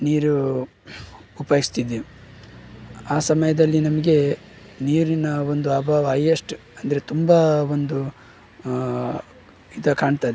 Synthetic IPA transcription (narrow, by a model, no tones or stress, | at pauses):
niːɾu | upɐjist̪id̪e | aːsɐmɐjɐd̪ɐlːinɐmɐɡe̞ | niːɾinɐo̞nd̪uɐbʱaːʋɐɐjɐʂʈu | ɐnd̪ɐɾe̞t̪umbɐʋo̞nd̪u | id̪ɐkaːɳt̪aːd̪e